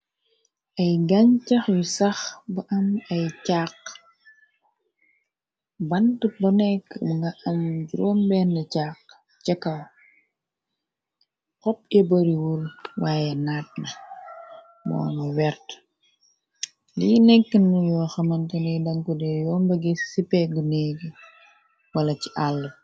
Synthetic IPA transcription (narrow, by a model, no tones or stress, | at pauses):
ʔɐjɡɐɲcɐxjusɐxbɐʔɐmɐjcaːq | bɐntəbɐnɛkːbŋɡɐʔɐmɟuɾɔmbɛːnːɐcaːq | t͡ʃɐkːɐw | kɔp̚ɛbɐɾiwulwaːjɛnaːt̚nɐ | mɔ̰ːŋɡɐwɛrt | linɛkːənɐjɔːxɐmɐntɐnɛjdɐŋkudɛjɔːmbɐɡisipɛɡuneːɡi | wɐlɐci̥ʔalːə